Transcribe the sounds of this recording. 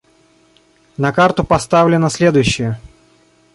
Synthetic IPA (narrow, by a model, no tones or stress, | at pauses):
nɐkart̪ʊpɐst̪avlʲɪnəsʲlʲed̪ʊjʉɕːɪjə